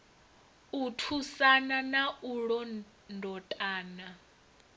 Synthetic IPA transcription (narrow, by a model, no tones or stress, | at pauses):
utʰusananaʔuɺɔ | ndʱɔtʼaːna